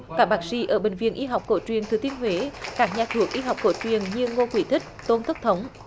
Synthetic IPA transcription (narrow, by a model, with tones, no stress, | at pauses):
kaː˦˥k̚ɓaː˦˥k̚sḭ˧˦ʔəː˧˩ɓï˨˩ŋ̟vḭ˨˧˨ənʔi˧ɦa˨˩wk͡p̚ko˧˩t͡ɕwi˨˩ənt̪ʰɨ˨˩t̪i˧ənɦwe˨˦kaː˦˥k̚ɲaː˨˩t̪ʰu˧˩ək̚ʔi˧ɦa˨˩wk͡p̚ko˧˩t͡ɕwi˨˩˨ənɲɨ˧ŋo˧kwi˧˩t̪ʰi˦˥k̟̚t̪o˧nt̪ʰə˦˥k̚t̪ʰə˨˦wŋ͡m